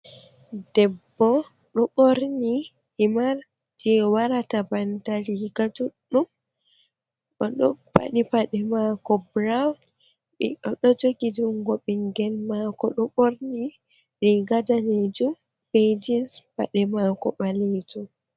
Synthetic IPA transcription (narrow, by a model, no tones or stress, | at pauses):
dɛbːɔ | ɗɔɓoɾni | himaɾ | d͡ʒɛwaɾatabantaɾiɡad͡ʒuɗːum | ʔɔɗɔpa̰ɗipaɗɛmakɔbɾawn | ɓɛɗɔɗɔd͡ʒoɡid͡ʒuŋɡɔɓɛŋɡɛlmakɔɗɔɓoɾni | ɾiɡadaned͡ʒum | ped͡ʒispa̰ɗɛmakɔɓaletum